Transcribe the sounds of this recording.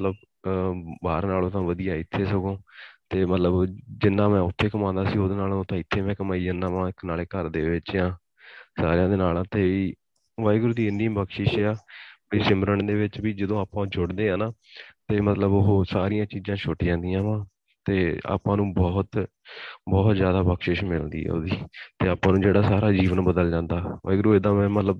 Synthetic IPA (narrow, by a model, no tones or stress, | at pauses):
ət̪ləb | baːɾnaːlõːt̪ãːʋəd̪ijaːɪt̪ʰːeːsəɡõːt̪eːmət̪ləbd͡ʒɪnːãːmɛ̃ːʊt̪ʰːeːkəmãːnd̪aːsiːoːd̪eːnaːlõõt̪ãːɪt̪ʰːeːmɛ̃ːkəmaːiːãnãːpãːɪknaːleːkəɾd̪eːʋɪt͡ʃjãː | saːɾejãːd̪eːnaːlãːt̪eːiː | ʋaːjɡʊɾd̪iːɪnːibəkʃɪʃɛːaːbəiːsɪməɾəɳd̪eːʋɪt͡ʃʋiːd͡ʒəd̪õːaːpãːd͡ʒʊɽd̪eːãːnaːt̪eːmət̪ləboɦoːsaːɾijãːt͡ʃiːzãːʃʰoʈːd͡ʒãːnd̪iːãːʋãː | t̪eːa̰ːpãːnũːbɔːt̪ | bɔːt̪zjaːd̪aːbəkʃɪʃmɪlnd̪ḭːɦɛ̰ːo̰ːd̪iːt̪eːaːpãːnũːd͡ʒeːɽaːsaːɾaːd͡ʒiːʋənbəd̪əld͡ʒãːnd̪aːʋa̰ːɡɾuːeːd̪ãːmɛ̃ːmət̪ləb